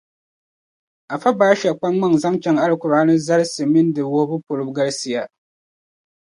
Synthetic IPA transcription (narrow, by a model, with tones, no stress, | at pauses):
a˨fa˦baː˦ʃɛ˨k͡pa˦ŋːa˦ŋza˦ŋt͡ʃɛ˦ŋa˦lɨ˦kʊ˨ɾaː˨˦nɨ˦za˦ɾsɨ˨mɨ˦ndɨ˨wʊ˦hbʊ˦pʊ˨ɾɨ˦bɡa˦lsi˨ja˦